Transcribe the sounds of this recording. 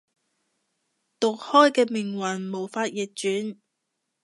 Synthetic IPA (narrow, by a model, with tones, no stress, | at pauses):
t̪ʊ˨k̚hɔː˥jkɛː˧mɪ˨˩ŋwɐ˨˩nmo˨˩wfaː˧t̚jɛː˨k̚t͡ʃyː˨˥n